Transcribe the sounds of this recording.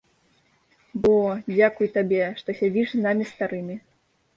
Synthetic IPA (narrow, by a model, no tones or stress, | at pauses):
bɔd͡zʲakujt̪abʲɛʂt̪ɔsʲad͡zʲiʂznamʲist̪aɾɨmʲi